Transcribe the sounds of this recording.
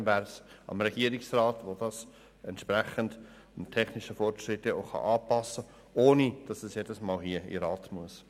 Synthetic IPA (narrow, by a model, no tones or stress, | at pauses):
væɾsɑ̰mɾɛɡ̥iəɾɪksrɑːtʋod̥ɑs | ɛntʃpræχənd | ntʰɛχnɪʃəfɔrtɾɪtːəo̰χɑ̰ʔɑːpɑsə | oːnid̥ɑsɛsjed̥əsmɑːlɦiəḭɾɑːtmuəs